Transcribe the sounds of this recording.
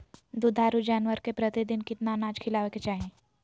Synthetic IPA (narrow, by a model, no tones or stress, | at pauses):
d̪ud̪ʱaːɾud͡ʒaːnʋəɾkepɾət̪id̪ɪnkɪt̪nanaːd͡ʒkʰɪlaːʋeket͡ʃaːɦẽː